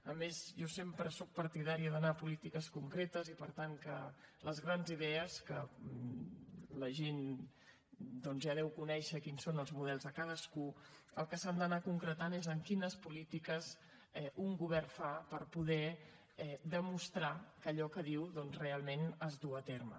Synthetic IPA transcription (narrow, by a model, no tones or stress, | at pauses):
əmezʒɔsempɾəsɔk̚pəɾt̪iðaɾiəðənapulit̪ikəskuŋkɾet̪əzipəɾt̪aŋkələzɣɾanziðɛəskə | ləʒen | d̪ɔnzjaðɛwkunɛʃəkinsonəlˠzmuðɛlˠzðəkað̞əsku | əlˠkəsamd̪ənakuŋkɾət̪anezəŋkinəspulit̪ikəz | ɛʔuŋɡuβ̞ɛrfapəɾpuð̞ɛ | ɛd̪əmust̪ɾakəʎɔkəðiwðɔnzrealˠmenəzd̪uət̪eɾmə̰